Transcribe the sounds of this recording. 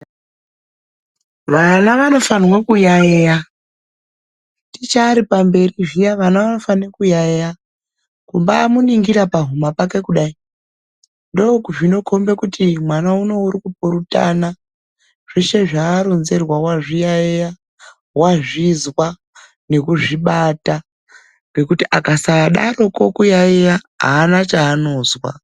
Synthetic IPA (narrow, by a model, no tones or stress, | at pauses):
ʋanaʋano̞fanwakujajeja | tit͡ʃaːɾipambe̞riʐijaʋanaʋano̞fanekujajeja | kumbaːmuniŋɡiɾapaɦumapake̞kuɗai | ndo̞kuʐino̞kʰo̞mbe̞kutimwanauno̞uɾikupuɾuta̰na | ʐ̥eʃe̞ʐaːɾonze̞rwawaʐijaeja | waʐizwa | ne̞kuʐiɓata | ɡe̞kutiʔakasaːɗaro̞ko̞kujaejaɦa̰ːnat͡ʃaːno̞ːzwa̰